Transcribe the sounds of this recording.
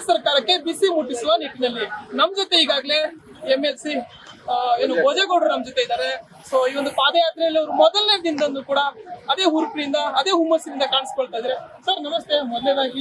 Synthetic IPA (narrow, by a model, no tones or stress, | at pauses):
sɐɾkaːɾɐkːe̞bisimuʈːisuʋɐniʈinɐlːinɐmːd͡ʒɔt̪ːe̞iːɡaːɡle̞ | emelsi | eːnuɔd͡ʒeɡoɽunɐmɐd͡ʒɔt̪ːe̞id̪aːɾe̞ | soːiːʋond̪upaːd̪ɐjaːt̪ɾɐɐlːiɐʋɐɾumɔd̪ɐlneɾɐd̪ind̪ɐnːukuːɽɐːd̪e̞ːɦuɾpɾind̪ɐːd̪e̞ːɦumːɐsiɾind̪ɐkaːɳiskoɭt̪aːjd̪iɾesɐɾnɐmɐst̪ʰeɔd̪leɾaɡi